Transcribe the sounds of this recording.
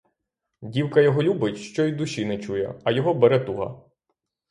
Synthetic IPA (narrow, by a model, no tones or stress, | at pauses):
dʲiwkɐjɔɦɔlʲubɪtʲʃt͡ʃɔjd̪ʊʃinɛt͡ʃujɛ̰ɐjɔɦɔbɛɾɛt̪uɦɐ̰